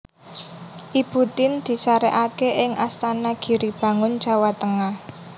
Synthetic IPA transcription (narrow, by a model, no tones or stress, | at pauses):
ʔibut̪ɪnd̪̥i̤saɾɛʔakeʔɪŋʔast̪anaɡ̥i̤ɾib̥ä̤ŋʊn̥ʒ̥a̤wat̪əŋah